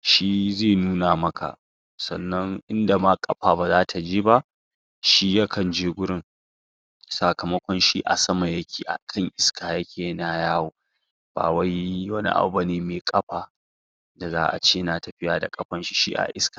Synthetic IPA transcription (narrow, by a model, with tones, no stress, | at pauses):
ʃi˦zeː˦˨nuː˦naː˨mɐ˦kʰa̰˨ | sɐ˨nːɐ˦ŋʔɪ˦nda˨ma˦kʼɐ̰˦ɸaː˨ba˨zaː˦tʰa˨d͡ʒeː˦ba˦ʔ | ʃi˦jɐ˦kʰɐ˨nd͡ʒeː˦ɡʷʊ˦ɽɪ˦ŋ | sa˨kɐ˨mɐ˦kʷɔ˦nʃiː˦ʔa̰˨sɐ˦ma˨jɐ˦kʲʰeː˨ʔa̰˨kʰɐ˦˨ŋʔɪ˦skʰaː˨jɐ˦kʲʰeː˨na˨jaː˦woː˨ | b̥a̰ː˨wa˦jwɐ˦nḭ˦ʔa̰˨˦ba˨neː˨˦meː˨kʼɐ˦ɸaː˨ | da˨za̰ː˦ʔa̰˨t͡ʃeː˦naː˨tɐ˨ɸɪ˦jaː˨da̰˨kʼɐ˦ɸɐ˦nʃi̥˦ʃḭ˦ʔa̰˨ʔɪ̰˦skḁː˨